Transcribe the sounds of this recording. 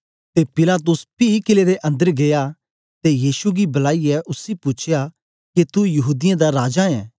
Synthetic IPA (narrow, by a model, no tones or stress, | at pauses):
t̪epɪlaːt̪̬ʊspikɪleɾeʔɐ̃nd̪əɾɡeːja | t̪ejiːsuɡibɐlaːiɛʔʊsipʊt͡ʃʰja | ket̪ujɐɦuːd̪ɪjẽd̪aɾaːd͡ʒaɛ̰̃ː